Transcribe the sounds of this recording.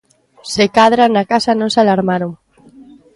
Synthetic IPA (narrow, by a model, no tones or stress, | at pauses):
sekaðɾanakasanõŋsalaɾmaɾoŋ